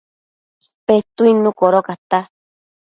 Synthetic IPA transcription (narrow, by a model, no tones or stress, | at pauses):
spet̪uinũkoɾokat̪a